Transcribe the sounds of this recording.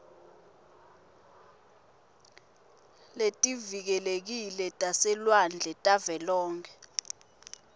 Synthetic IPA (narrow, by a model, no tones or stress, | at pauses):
letʼivik̬ɛlek̬ilɛtʼasɛlwand͡ɮʱɛtʼavɛlɔːŋkʰɛ